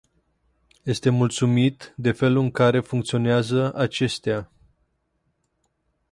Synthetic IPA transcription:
je̞st̪e̞mult̪sumit̪d̪e̞fe̞luɨŋkaɾe̞fuŋk̚t̪sio̞neazəat͡ʃe̞st̪ea

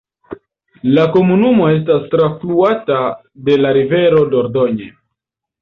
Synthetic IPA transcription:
lako̞munumo̞e̞s̬tastɾafluata | de̞laɾive̞ɾo̞do̞ɾdo̞ɲe

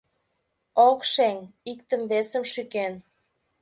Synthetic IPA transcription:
okʃeŋik̚t̪ə̆mβesə̆mʃyken

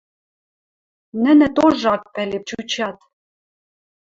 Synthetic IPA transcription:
nɘ̆nɘ̆t̪oʒɑk̚pælep̚t͡ɕut͡ɕɑt̪

